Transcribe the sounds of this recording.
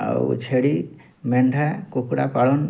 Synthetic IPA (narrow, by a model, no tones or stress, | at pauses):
t͡ʃʰeɽi | meɳɖʱakokɽa̰paɽon